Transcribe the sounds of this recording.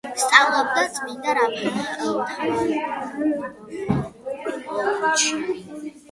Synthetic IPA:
st̪sʼavlˠɔb̚d̪ad̪z̥ʼmind̪aɾamɛɔva

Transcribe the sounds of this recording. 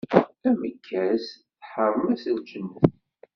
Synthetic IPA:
æməkʰːæsθħəɾˤəmæsəld͡ʒənːəθ

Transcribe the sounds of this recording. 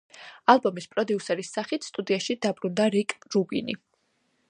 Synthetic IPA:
alˠbɔmispʼɾɔd̪iusɛɾisːaχit̪ʰst̪ʼud̪iaʃid̪abɾund̪aɾikʼɾubḭnḭ

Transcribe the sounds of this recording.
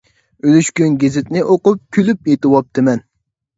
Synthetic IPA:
ølyʃkʲynɡʲezɪt̪nɪʔoqʊp̚kʲʰylypet̪ɨwɑp̚t̪ʰɨmɛn

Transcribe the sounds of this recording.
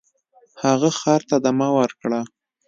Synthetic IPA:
haɣaxɑɾt̪ad̪amawəɾkɽa

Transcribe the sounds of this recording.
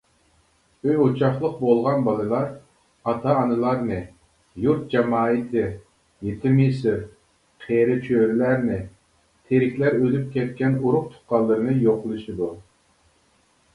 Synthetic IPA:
øjot͡ʃʰɑχlˠəq̚bolˠʁɑnbɑlˠɨlˠɑɾ | ɑt̪ʰɑːnɨlˠɑɾnɨ | juɾt̪̚d͡ʒɛmɑːɨt̪ʰɪ | jet̪ʰɪmisɪɾ | qʰeɾɪt͡ʃʰøɾɪlæɾnɪ | t̪ʰeɾɪkʲʰlæɾød̪yp̚kʲʰɛt̪̚kʲɛnuɾʊq̚t̪ʰʊ̥qɑlˠːɨɾɨnɨjoqlˠɨʃid̪u

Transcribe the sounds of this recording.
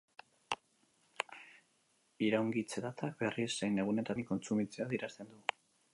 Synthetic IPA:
iɾawŋɡit͡se̞t̪at̪ʰak̚be̞risːejne̞ɣ̞une̞t̪aiko̞nt͡sumit͡seaðiɾast̪e̞nd̪u

